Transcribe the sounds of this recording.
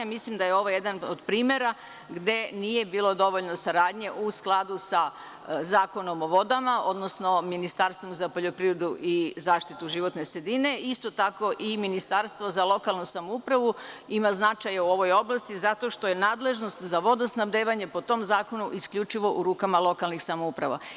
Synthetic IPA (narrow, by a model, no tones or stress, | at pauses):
mislimd̪ajeo̞ʋojed̪anod̪pɾiːmje̞ɾa | ɡd̪e̞nije̞biːlˠo̞d̪o̞ʋo̞ʎno̞saɾaːd̪ɲe̞ʔusklˠad̪usa | zaːko̞no̞mo̞ʋo̞d̪amao̞d̪no̞sno̞minist̪aɾst̪ʋo̞mzapo̞ʎo̞pɾiːɾed̪uʔizaːʃt̪it̪uʒiʋo̞t̪ne̞sɾed̪ine̞ist̪o̞t̪ako̞ʔiminist̪aɾst̪ʋozalˠo̞kalˠnusamoupɾaʋuimaznat͡ʃajauo̞ʋo̞jo̞blˠast̪izat̪o̞ʃt̪o̞je̞naːd̪le̞ʒno̞st̪zaʋo̞d̪osnabd̪eːʋaɲe̞po̞t̪o̞mzaːko̞nuʔiskʎʲut͡ʃiʋo̞ʔuɾuːkamalˠo̞kalˠnixsamoupɾaʋa̰